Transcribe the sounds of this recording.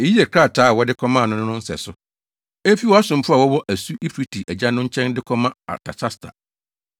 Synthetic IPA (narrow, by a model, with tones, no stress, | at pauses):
e˨ji˦ɛ˨kʰɾa˦˨tʰaː˨˦˨wɔ˦dɪ˦kʰɔ˦mã˦˨nʊ̃˦nʊ̃˦nʊ̃˦n̩˦sɛ̰˨sʊ˦ | e˦fi˦wɔ˦a˦sʊ̃˨mfʊ˦a˨wɔ˦wɔ˦ʔæ˨su˦ʔi˦pʰɾi˦tʰi˨ʔæ˨d͡ʑa˦nʊ̃˦ɲ̩˦t͡ɕʰɛ̃˦ndɪ˦kʰɔ˦mã˦a̰˨tʰa̰˨t͡ɕʰa˦stʰa̰˨